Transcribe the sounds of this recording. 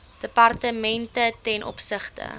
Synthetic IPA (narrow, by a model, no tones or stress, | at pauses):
d̥əpɐrtəmɛntətɛnʔɔ̰psəχtə̰